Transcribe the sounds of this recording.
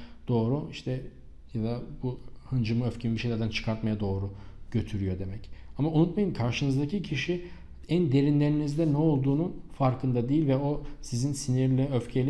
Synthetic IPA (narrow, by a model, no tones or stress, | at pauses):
d̪̥o̞ːɾuiʃt̪ʰɛ | jad̪abuhɯnd͡ʒɯmɯøfcʰemibiʃelʲæɾd̪ænt͡ʃʰɯ̥kʰaɾt̪majad̪o̞ːɾuɟ̥ø̞t̪ʰyɾyjo̞d̪e̞mɛcamaunut̪majɯmkʰaɾʃɯnɯzd̪acʰicʰiʃi | ænd̪e̞ɾinlʲe̞ɾinizd̪ɛnɛo̞lˠd̪uːnunfaɾkʰɯnd̪ad̪ejilʲvɛo̞sizinsiniɾlʲiøfcʰelʲ